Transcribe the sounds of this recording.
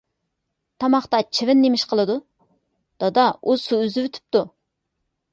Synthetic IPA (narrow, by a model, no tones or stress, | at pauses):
t̪ʰɑmɑχt̪ɑt͡ʃʰivɪnːemɪʃqʰəlˠɨd̪u | d̪̥ɑd̪ɑusuyzɪvøt̪ʰy̥p̚t̪u